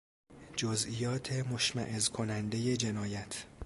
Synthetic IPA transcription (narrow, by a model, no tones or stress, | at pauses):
d͡ʒozijɒːt̪ʰe̞moʃmæ̰ʔezkʰo̞nænd̪e̞je̞d͡ʒe̞nɒːjæt̪ʰ